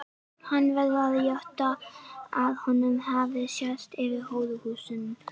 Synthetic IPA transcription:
hanːvɛɾðaðɪjœht̪aaðhɔnːʏmhavðɪsjɛst̪ɪvɪɾhoːwðʏhuːsʏnm

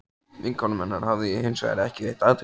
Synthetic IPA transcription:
viŋkʰɔnmɛnːa̰ɾ̥havðɪɛhɪnsva̰a̰ɾɪɛhcɪðeht̪aðt̪

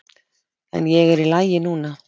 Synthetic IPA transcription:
ɛ̰njɛɣɛɾilaːjɪnuːna

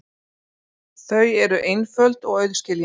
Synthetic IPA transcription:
θœɥjɛɾʏʔejnfœlt̪ɔɣœɥðscɪlj

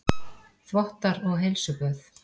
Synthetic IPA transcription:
θvɔht̪aɾɔɣɦejlsʏpœːθ

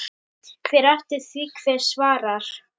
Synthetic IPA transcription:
kʰvɛɾɛft̪ɪɾ̥θviːkʰvɛɾsvaːɾaɾ̥

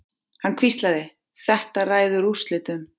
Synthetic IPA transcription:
hankʰvist̪laðɪ | θɛht̪araːjðʏɾust̪lɪt̪ʏm

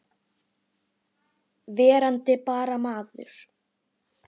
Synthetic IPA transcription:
vɛːɾant̪ɪpaːɾamaːðʏ̰ɾ̥

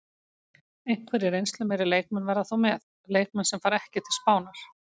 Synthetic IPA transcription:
ejŋ̥kʰvɛɾɪɾejnst̪lʏmejɾɪlejk̚mɛnvɛɾðaθowmɛð | lejk̚mɛnsɛmfaːɾɛhcɪt̪ʰɪlspaːwnaɾ̥

